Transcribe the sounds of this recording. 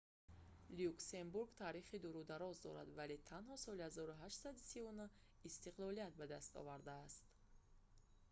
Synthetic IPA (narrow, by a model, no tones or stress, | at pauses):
liukse̞mbuɾɡt̪ʰaːɾiχid̪uɾud̪aɾɔzd̪ɔɾa̰d̪valet̪ʰanhɔsɔlihazɔɾuɦaʃt̪sad̪isivunu | ist̪iqlˠɔlijat̪̚bad̪ast̪ɔ̰vaɾd̪aːst̪